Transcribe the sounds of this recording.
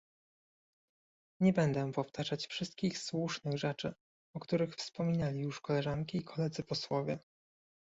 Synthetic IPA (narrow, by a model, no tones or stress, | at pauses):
ɲɛbɛnd̪ɛpɔft̪ʰaʐat͡ɕfʂɘst̪̚kʲixswuʂnɘɣʐɛt͡ʂɘ̰ | ɔkt̪uɾɘxfspɔmʲinalʲijuʂkɔlɛʐaŋkʲiːkʰɔlɛd̪zɘpɔswɔvʲjɛ